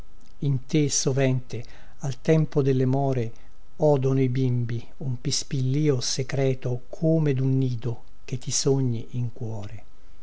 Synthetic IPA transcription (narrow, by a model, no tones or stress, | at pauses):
int̪esovɛnt̪e | alt̪ɛmpod̪elːemɔːɾe | ɔːd̪onoibimbi | umpispilːiːosekɾɛːt̪okʰoːmed̪unːiːd̪o | k̟et̪ːisoɲːiʔiŋkwɔːɾe